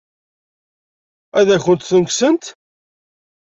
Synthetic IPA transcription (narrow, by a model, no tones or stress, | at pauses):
æðæçənt̪θəŋksənt̪